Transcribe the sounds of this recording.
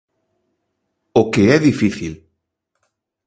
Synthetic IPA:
okeɛðifiθil

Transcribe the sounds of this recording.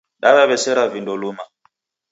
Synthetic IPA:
ɗaβaβɛsɛɾavindɔluma

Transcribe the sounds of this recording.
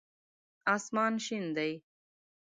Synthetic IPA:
aːsmɑːnɕind̪ɐj

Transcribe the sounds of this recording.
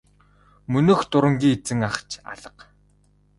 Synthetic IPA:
mɵnoːxt̪ʊɾə̆ŋɡʲiːet͡sɘ̆ŋaχt͡ɕʰa̰ɮə̆q

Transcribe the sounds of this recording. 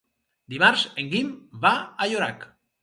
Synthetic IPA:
d̪imaɾseŋɡimβaːjoɾa̰k

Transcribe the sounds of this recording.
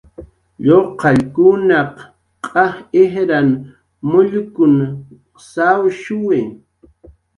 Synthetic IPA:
ʎoqɑʎkʊnɑq | qʼɑχɪhɾan | mʊʎʊkʊn | sawʃʊwɪ

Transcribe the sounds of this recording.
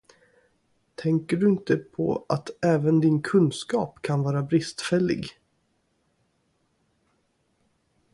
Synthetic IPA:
t̪ʰɛŋkəɖɵɪnt̪əpʰɔ̰a̰t̪ɛːvənd̪ɪnkʰɵnskɑːpkʰanvɑːɾabɾɪst̪fɛlːɪ̰ɡ

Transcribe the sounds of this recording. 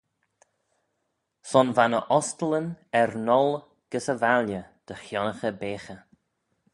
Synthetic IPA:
sɔnvanəʔɔst̪ələnɛɾnɔl | ɡ̥əsəvaljəd̪̥əxjɔnəxəbeːxə

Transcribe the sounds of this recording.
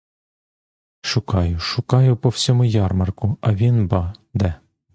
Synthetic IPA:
ʃʊkɑjʊʃʊkɑjʊpɔwsʲɔmʊjɑrmɐrkʊɐʋʲinbɑd̪ɛ

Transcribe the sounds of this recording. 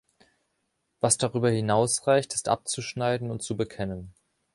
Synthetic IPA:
vasd̥aʁyːbɐhɪnaʊsʁaɪçtɪ̥stʔa̰p̚t͡suʃnaɪdn̩ʊntt͡subəkʰɛnən

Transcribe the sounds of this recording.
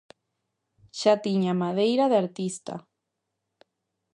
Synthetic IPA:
ʃat̪iɲamaðejɾaðeaɾt̪ist̪a̰

